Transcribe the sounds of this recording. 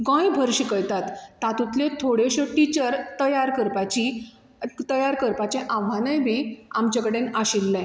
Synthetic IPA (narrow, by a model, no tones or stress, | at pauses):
ɡɔ̃jbʱəɾɕikəɭt̪at̪ːat̪ut̪lẽt̪ʰoɽeɕəʈit͡ɕəɾt̪əjaɾkəɾpat͡ɕi | t̪əjaɾkəɾpat͡ɕẽʔaʋanə̃jbʱiamt͡ɕakəɽenaɕilːɛ̃